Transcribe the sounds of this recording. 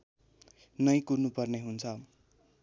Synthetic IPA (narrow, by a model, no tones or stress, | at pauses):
nʌjkurnupʌrneɦunt͡sʰʌ